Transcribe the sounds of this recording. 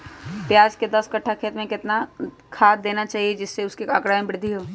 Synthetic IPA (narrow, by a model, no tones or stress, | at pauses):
pjaːd͡ʒked̪ɐskɐʈʰːakʰeːt̪mẽkɪt̪na | kʰaːd̪̚d̪eːnat͡ʃaːɦied͡ʒɪsːeʊskeakɽaːjə̃bɪɾd̪ʱiɦoː